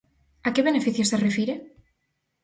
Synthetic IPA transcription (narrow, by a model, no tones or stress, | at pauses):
akeβenefiθjoserefiɾe